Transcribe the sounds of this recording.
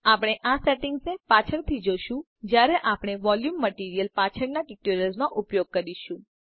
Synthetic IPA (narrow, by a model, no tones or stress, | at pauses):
apɽ̃eʔasɛʈɪŋɡsepat͡ʃʰəɾt̪ʰid͡ʒoʃũ | d͡ʒjaɾɛʔapɽ̃eʋɔljumːəʈiɾijəlpat͡ʃʰəɾnaʈiʈoɾjəlzmãʔupjoɡ̚kəɾiʃũ